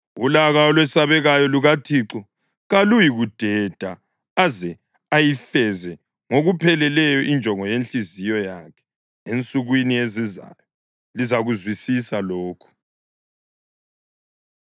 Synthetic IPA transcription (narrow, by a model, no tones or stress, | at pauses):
ulaɣaɔlwɛsaβɛɣajɔluɣatʰiǁɔ | ɣalujiɣud̥ʱɛd̥ʱa | azɛ | ajifɛzɛ | ŋoɣupʰɛlɛlɛjɔʔind͡ʒʱɔŋɔjent͡ɬʼizijɔjakʰɛ̥ | ent͡sʼuɣwinieziza̰jɔ | lizaɣuzwisisaloːkʰu̥